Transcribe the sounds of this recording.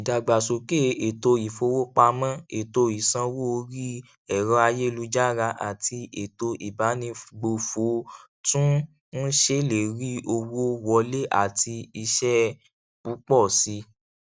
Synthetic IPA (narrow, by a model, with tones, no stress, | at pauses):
i˨da˨ɡ͡ba˨so˨ke˦˨e˨to˧i˨fo˧wo˦k͡pa˧mã˦e˨to˧i˨sã˧wo˦˧ɾi˦ | ɛ˨ɾɔ˧a˧je˦˧lu˧d͡ʒa˦ɾa˧ʔa̰˨ti˧e˨to˧ʔi˨ba˨˦nĩ˧ɡ͡bo˧fo˨˦ | tũ˦ | n̩˦ʃe˦le˨ɾi˦o˧wo˦wɔ˧le˦ʔa̰˨ti˧i˧ʃɛ˦ | bu˨˦k͡pɔ˦˨si˧˦